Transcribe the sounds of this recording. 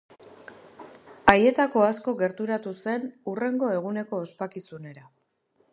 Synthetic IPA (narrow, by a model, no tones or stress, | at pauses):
aje̞t̪ako̞asko̞ɡe̞ɾt̪uɾat̪use̞nure̞ŋɡo̞e̞ɣ̞une̞ko̞ːspakisune̞ɾa